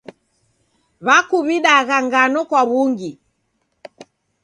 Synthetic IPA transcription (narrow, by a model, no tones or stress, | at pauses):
βakuβiɗaɣaŋɡanɔkwaβuŋɡi